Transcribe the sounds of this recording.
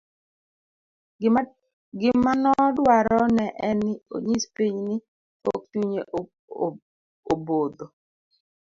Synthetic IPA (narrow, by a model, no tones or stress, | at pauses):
ɡɪmːanɔdwaɾɔnɛʔɛnɪo̰ɲispiɲnɪ | o̰k̚tuɲe | obod̪o